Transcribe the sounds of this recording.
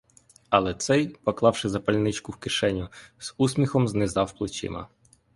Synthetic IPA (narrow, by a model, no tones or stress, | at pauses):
ɐlˠɛt̪sɛjpɔklˠɑwʃɪzɐpɐlʲnɪt͡ʃkʊwkɪʃɛnʲʊz̥usmʲixɔmznɪzɑwplˠɪt͡ʃɪ̰mɐ̰